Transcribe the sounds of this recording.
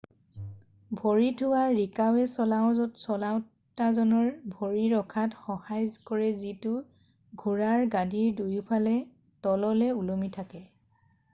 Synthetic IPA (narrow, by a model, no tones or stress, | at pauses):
bʱoɹitʰʊwaɹikawɛsɔlaʊ̃zɔtsɔlaw | tazɔnɔɹbʱoɹiɹɔkʰatxɔhajzkɔɹɛzitʊ | ɡʱuɹaɹɡadiɹdujupʰalɛ | tɔlɔlɛulomitʰakɛ